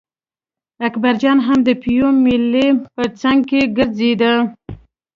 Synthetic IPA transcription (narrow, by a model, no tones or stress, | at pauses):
akbaɾd͡ʒɑnɦamd̪əpijomɪlːepət͡saŋɡ̚keɡəɾzed̪a